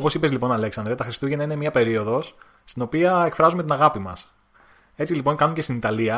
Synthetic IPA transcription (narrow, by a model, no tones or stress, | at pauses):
opo̞sipe̞zlipo̞nɐle̞ksɐnd̪ɾet̪ɐxɾist̪uʝenɐinemiɐpe̞ɾio̞ðo̞s | st̪ino̞piɐekfɾɐzumet̪inɐɣɐpimɐ̰s | e̞t͡silipo̞ŋkɐnucest̪init̪ɐliɐ